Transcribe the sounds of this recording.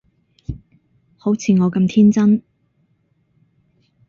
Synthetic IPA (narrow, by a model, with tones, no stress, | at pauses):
ho˨˥wt͡sʰiː˨˧ŋɔː˨˧kɐ˧mt̪ʰiː˥nt͡sɐ˥n